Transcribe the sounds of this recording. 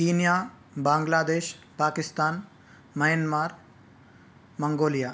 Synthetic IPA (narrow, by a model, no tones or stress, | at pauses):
kiːnjaː | baːŋɡlaːd̪eːʃ | paːkɪst̪aːn | mɐjənmaːɾ | mɐŋɡoːlijaː